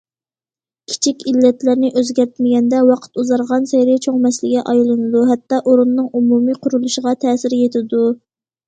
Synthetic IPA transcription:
kʲʰi̥t͡ʃʰikʲilːɛt̪lɪɾnɪʔøzɡʲæɾt̪mɪɡʲɛnd̪ɛwɑqʰə̥t̪uzɑɾʁɑnsejɾɪt͡ʃʰoŋmɛslɪɡʲɛʔɑjlˠɨnɨd̪uɦɛt̪ːɑʔoɾunːɨŋumumiqʰʊɾulˠuʃəʁɑt̪ʰɛːsɪɾjet̪ʰɪd̪u

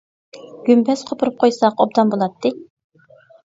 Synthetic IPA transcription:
ɡ̥ʲympʰɛsqʰopʰʊɾup̚qʰojsɑqob̚d̪ɑmbolˠɑt̪ʰːɨ

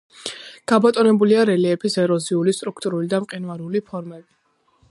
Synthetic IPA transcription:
ɡ̥abat̪ʼɔnɛbuliaɾɛliɛpʰisɛɾɔziulist̪ʼɾukʰt̪ʼuɾulid̪amqʼinvaɾulipʰɔɾmɛbi

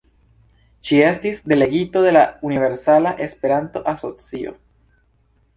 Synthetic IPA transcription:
ʃie̞stisd̪e̞le̞ɡitode̞launive̞ɾsalaʔe̞spe̞ɾant̪o̞ʔaso̞t͡sio̞̰

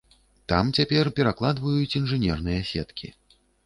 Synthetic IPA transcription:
t̪amt͡sʲapʲɛrpʲɛɾaklˠad̪vɐjut͡sʲinʐɨnʲɛrnɨjɐsʲɛt̪kʲḭ

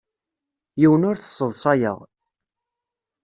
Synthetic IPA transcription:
jiwənʊɾθə̥sˤːəðˤsˤɑjə̰ʁ

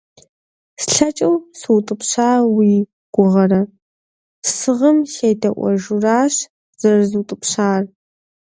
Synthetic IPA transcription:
sɬɐt͡ʃʼɐwsɨwtʼɨpɕaːwiː | ɡ̥ʷʊʁɐrɐ | sɨʁəmxejdɐʔʷɔ̰ʒuraːɕ | z̥ɐrzutʼɨpɕaːr

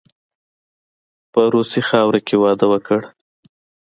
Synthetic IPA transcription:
pəɾosixɑwɾakʰewɑd̪əwəkəɽ

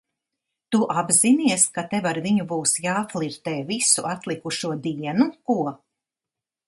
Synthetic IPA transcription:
t̪uʔabziniɛskat̪evaɾviɲubuːsjaːflˠiɾt̪ɛːvisuʔat̪lˠikuʃuɔd̪iɛnukuɔ

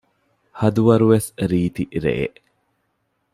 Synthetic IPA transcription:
hɐd̪uʋɐɾuʋesɾiːt̪iʔɾḛʔḛʔ

